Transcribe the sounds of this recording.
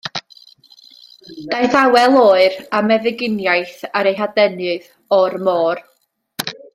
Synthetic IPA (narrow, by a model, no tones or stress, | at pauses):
d̥ajθawɛlˠoːɨɾamɛðɨɡɪnjajθaɾejɦadɛnɨð | ɔrmɔːr